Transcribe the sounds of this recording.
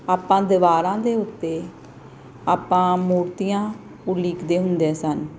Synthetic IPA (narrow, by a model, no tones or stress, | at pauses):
aːpːãːd̪ɪʋaːɾãːd̪eːʊt̪ːeː | aːpːãːmuːɾt̪ijãː | ʊliːkd̪eːɦʊnd̪eːsən